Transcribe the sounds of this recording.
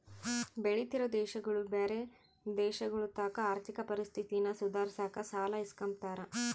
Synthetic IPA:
beɭit̪iɾod̪ɛːʃɐɡɐɭubeːɾe | d̪ɛːʃɐɡɐɭut̪aːkɐaːɾt̪ʰikɐpɐɾist̪ʰit̪inɐsud̪ʱaːɾisaːkɐsaːlɐiskɐmp̚t̪aːɾɐ

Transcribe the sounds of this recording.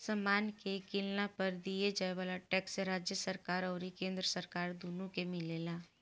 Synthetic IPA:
səmaːnkekɪlnapəɾd̪ied͡ʒaːeʋaːlaʈɛːkseɾaːd͡ʒjəsəɾkaːɾɔːɾikẽːnd̪ɾəsəɾkaːɾd̪uːnũkemɪleːlaː

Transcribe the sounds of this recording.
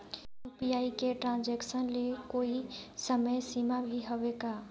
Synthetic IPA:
juːpiaːikeʈɾãnd͡ʒɛːksənlekoːisəməjsiːmabʱiɦəʋekaː

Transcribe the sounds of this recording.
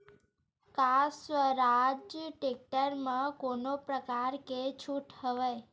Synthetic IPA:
kasʋəɾad͡ʒjəʈek̚ʈəɾmãkonopɾəkaɾket͡ʃʰuʈhəʋaj

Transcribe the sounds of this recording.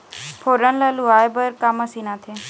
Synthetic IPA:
fʰoɾənlaluːaːjbəɾkaːməsinat̪ʰe

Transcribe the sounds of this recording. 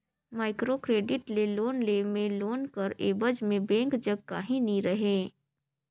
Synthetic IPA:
maːɪkɾokɾeːɖɪʈleloːnleːmẽloːnkəɾeːbəd͡ʒmẽbɛ̃ːŋkd͡ʒəɡ̚ka̰ɦĩniɾəɦeː

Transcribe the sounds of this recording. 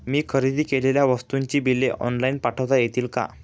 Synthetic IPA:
miːkʰəɾid̪iːkeleljaʋəst̪uɲt͡ɕiːbilːeʔɔ̰nlainpaʈʰəʋt̪ajet̪iːlka̰

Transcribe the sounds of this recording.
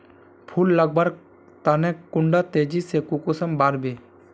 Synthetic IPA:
pʰulːəɡ̚baɾ | t̪anɛkʊɳɖat̪eːd͡ʒisekukusəmbaːɾbeː

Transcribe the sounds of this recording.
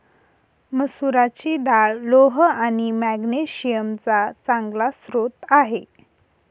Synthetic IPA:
məsuɾat͡ɕid̪aɭloɦanimæɡneɕijəmt͡sat͡sãŋɡlasɾot̪aɦe

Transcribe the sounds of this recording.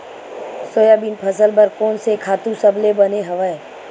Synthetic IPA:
sojaːbinpʰəsəlbəɾkoːnsekʰaːt̪ũsɐblebɐneɦɐʋae

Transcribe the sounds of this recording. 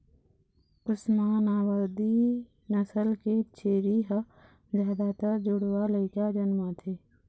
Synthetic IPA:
pʊsmaːnaːwəɾd̪i | nəsəlket͡ʃʰeːɾiɦə | d͡ʒaːd̪aːt̪əd͡ʒʊɽwaləɪkad͡ʒənmãt̪ʰeː

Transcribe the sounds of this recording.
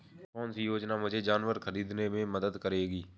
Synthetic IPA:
kɔːnsiːjoːd͡ʒnaːmʊd͡ʒʱeːd͡ʒaːnʋəɾkʰəɾiːd̪nẽːmẽːməd̪əd̪kəɾeːɡiː

